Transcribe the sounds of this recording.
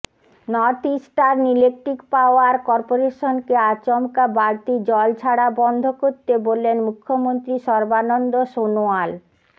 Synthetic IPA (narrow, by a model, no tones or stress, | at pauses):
nɔt̪isʈaɾnilek̚ʈɾikpaoaɾkɔɾpoɾeʃonkeat͡ɕɔmkabaɾt̪id͡ʑɔlt͡ɕʰaɽabɔnd̪ʱokoɾt̪ebolːenmukʰːomont̪ɾiʃɔɾbanɔnd̪oʃonoal